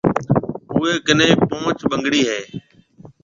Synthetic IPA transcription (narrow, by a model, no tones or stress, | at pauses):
ʊːeːɡənẽːpõːt͡ʃɓəŋɡɽiːɦeː